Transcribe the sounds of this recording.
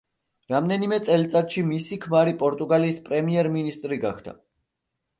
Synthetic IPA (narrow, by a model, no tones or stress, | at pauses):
ɾamd̪ɛnimɛt̪sʼɛlt̪sʼat̪ʃimisikʰmaɾipʼɔɾt̪ʼuɡaliːspʼɾɛmiɛɾminist̪ʼɾiɡa̰χd̪ʰa̰